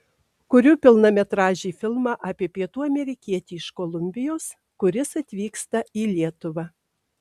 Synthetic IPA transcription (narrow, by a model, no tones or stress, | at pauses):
kʊɾʲuːpʲɪlˠnɐmʲɛt̪ɾɑːʒʲiːfʲɪlˠmɑʔɑːpʲiɛpʲiɛt̪uːɐmʲɛɾʲɪkʲiɛt̪ʲiːɪʃkolˠʊmʲbʲɪjoːs | kʊɾʲɪsɐt̪ʲʋʲiːkst̪ɐiːlʲiɛt̪ʊʋɑː